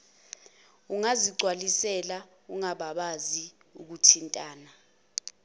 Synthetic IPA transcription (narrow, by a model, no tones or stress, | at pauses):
uŋaziǀʱwalisɛla | uŋaɓaɓazi | uk̬utʰintʼaːna